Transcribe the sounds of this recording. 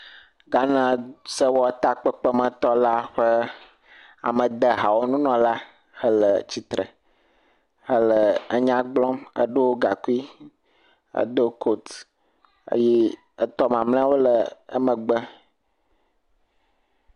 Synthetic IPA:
ɡa˦nã˦sə˦wɔ˦t̪a˦k͡pə˦k͡pə˦mə̃˨t̪ɔ˦la˦ɸə˦ | a̰˨mə̃˨d̪ə˨ɦa˨wo˦nũ˦nɔ̃˨la˦ | hə˦lə˨t͡ɕi˨t̪ɾə̰˨ | hə˦lə˨ə˦ɲã˦ɡ͡blɔ̃˦mə̰˦ɖo˦wo˦ɡa˨ku˦i˦ | ə̰˦d̪o˦ko˦t̪ | ə̰˦jɛ˦ | ə˦t̪ɔ˦mã˨mlɛ̃˦a˦wo˦lə˨ə̰˦mə̃˨ɡ͡bə˦

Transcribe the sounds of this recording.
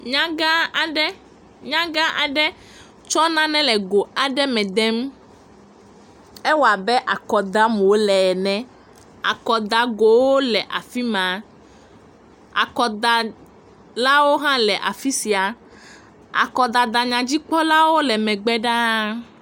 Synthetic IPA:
ɲã˦ɡa˦a˨ɖɛ˦ | ɲã˦ɡa˦ʔa˨ɖɛ˦ | t͡ʃɔ˦nã˦nɛ̃˦lɛ˨ɡo˨a˨ɖɛ˦mɛ̃˨d̪ɛ˦m | ɛ˦wa˨bɛ˦ʔa˨kɔ˨d̪a˦mũ˨wo˦lɛ˨nɛ̃˨ | a̰˨kɔ˨d̪a˨ɡo˨wo˦lɛ˨ʔa˨fi˦mã˨ | a̰˨kɔ˨d̪a˨ | la˦wo˦ɦã˦lɛ˨ʔa˨fi˦si˨a˨ | a̰˨kɔ˨d̪a˨d̪a˨ɲã˨d͡ʑi˦k͡pɔ˦la˦wo˦lɛ˨mɛ̃˨ɡ͡bɛ˦ɖa˦

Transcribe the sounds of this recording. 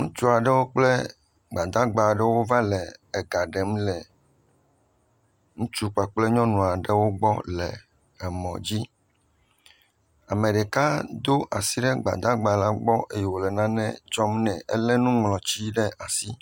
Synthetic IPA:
ŋũ˦t͡ʃu˦a˨ɖɛ˦wo˦k͡plɛ˦ | ɡ͡ba˨d̪a˦ɡ͡ba˨ɖɛ˦wo˦va˦lɛː˨ɡa˨ɖɛ˨mlɛ˨ | ŋũ˦t͡ʃu˦k͡pa˨k͡plɛ˦ɲɔ̃˦nũ˨a˨ɖɛ˦wo˦ɡ͡bɔ˦lɛ˨ | ɛ˨mɔ̃˨d͡ʑi˦ | a˨mẽ˨ɖɛ˨ka˦d̪o˦ʔa˨si˦ɖɛ˦ɡ͡ba̰˨d̪a˦ɡ͡ba˨la˦ɡ͡bɔ˦ʔe˨jɛ˨wo˨lɛ˨nã˦nɛ̰̃˦d͡ʒɔ˦mnɛ̃˨ɛ̰˦lɛ˦nũ˦ŋlɔ̃˨t͡ɕi˦ɖɛ˦ʔa˨si˦

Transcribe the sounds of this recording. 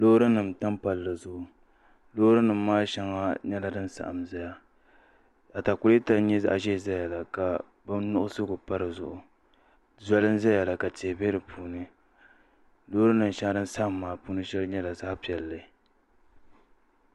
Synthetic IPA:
lo˦ɾɨ˦nɨ˨m˨ta˦mpa˨lːa˨zʊ˦ʔʊ˨ | loː˦hɾɨ˦nɨ˨m̩ː˦aː˦ʃɛ˦ŋa˦ɲɛ˦la˨dɨ˦nsa̰˨ʔa˨mza˦ja˦ | a˨ta˨kʊ˦li˦ta˦ɲɛ˦za̰˦ʔa˦˨ʒɛ˦˨za˦ja˨la˨ka˨ | bɨ˦nʊ˦ʔʊ˦sɨ˦ɡʊ˨pa˦ɾɨ˨zʊ˨ʔʊ˨ | za˦lɨ˦n˦za˦ja˨la˨ka˨ti˨bɛ˦ɾɨ˨pʰuː˦nɨ˦ | loː˦ɾɨ˦nɨ˨m˨ʃa˦ŋa˦dɨ˦n̩˦sa˦ʔa˨mːaː˨puː˦nɨ˦ʃɛ˦lɨ˦ɲɛ˦la˨sa˦hpi˨ɛ˨lːɨ˨

